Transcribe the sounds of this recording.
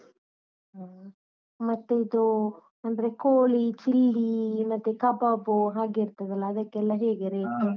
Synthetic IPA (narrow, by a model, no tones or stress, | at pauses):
mɐt̪ːuid̪u | ɐnd̪ɐɾekoːɭit͡ʃilːimɐt̪ːukɐbabuɦaːɡeiɾt̪ɐd̪ɐlːɐːd̪ɐkːeɛlːɐɦeːɡeɾekːe